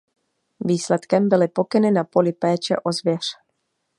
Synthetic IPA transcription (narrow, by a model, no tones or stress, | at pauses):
viːslɛt̪kɛmbɪlɪpo̞kɪnɪnapo̞lɪpɛːt͡ʃɛ̰ʔo̞zvjɛr̝̥